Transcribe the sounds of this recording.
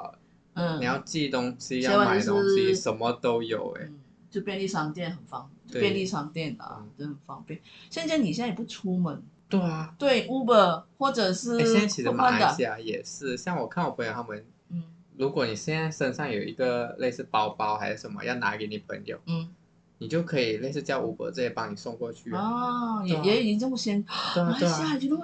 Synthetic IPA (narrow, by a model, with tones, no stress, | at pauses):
n̩˥˩i˨˩jɑ˥˧ʊt͡ɕi˥˩˥t̪ʊ˥ŋɕi˥jɑ˥˧wa˥˩a˨˥˧i˥ʂə˧˥nmə˧t̪o˥ʊjo˨˩ʊɛ̰˦ | jo˥˧˩ʂpjɛ˧nli˥˧ʂɑ˥˧ŋt̪jɛ˥˩nxə˨˩nfɑ˥ŋo˥˩we˥˧pjɛ˥˧nli˥˧ʂɑ˥˧ŋt̪jɛ˥˩nə̰˨˩ə˥˩ə˨˩nfɑ˥ŋpjɛ˥˨nɕjɛ˥˧nt͡ɕa˥˩ɪni˨˩jɛ˥˧na˥˩pu˥˩ʈ͡ʂʰu˥mə˨˥˦nt̪we˥˩ɪɐ˩t̪we˥˩ɪu˥bə˧˩xwɔ˥˩ʈ͡ʂɤ˨˩ʂɻ̩˥˧ɕjɛ˥na˥t͡ɕʰi˨˩ʂma˥˩˧ə˧˨ɕja˥˩jɛ˨˩ʂɻ̩˥˩ɕjɑ˥˩ŋwɔ˨˩kʰa˥˩nwɔ˨˩pʰə˧˥ŋjo˨˩t̪ʰa˥mə˧˦n | n̩˥˩ | lu˧˥kwɔ˨˧˦ni˨˩ɕjɛ˥˧nt͡sa˥˩ɪʂə˥˩ŋʂɑ˥˩ŋjo˨˩ʊḭ˧˥ɡə˧le˥˧ɪsɹ̩˥˩pɑ˥ʊpɑ˥ʊxa˧˥ɪʂ̩˥˩ʂə˧˥nmə̰˧˦jɑ˥˩ʊna̰˧˥ke˨˧˥ɪni˨˩pʰə̰˧˥ŋjo˨˩ʊn̩˥˩ | ni˨˩t͡ɕjo˥˩ʊkʰɤ˧˥i˨˩le˥˧ɪsɹ̩˥˧t͡ɕjɑ˥˧ʔu˥bə̰˧t͡sɤ˥˧˩jɛ˥˩pɑ˧˥ŋni˨˩so˥˧ŋkwɔ˥˧t͡ɕʰy˥˩ɔ˥jɛ˨˩jɛ˧˥ji˧˥ʈ͡ʂə˥˩mə˨˩ɕjɛ˥n˧˩e˥ɕɛ˥˧na˥ɪt͡ɕo˥˩˥